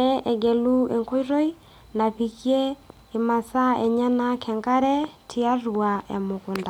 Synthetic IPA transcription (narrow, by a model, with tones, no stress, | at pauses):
ɛ˦ɛ˨ɡɛ˨lu˦e˨ŋko˦i˦ɾo˦i˦ | na˨pi˨kje˦ | e˨ma˨sa˦ɛ˨ɲa˦na˦kʰɛ˨ŋɡa˦ɾɛ˦tʰi˦a˦ru˨a˨a̰˨mo˨ko˨nda˨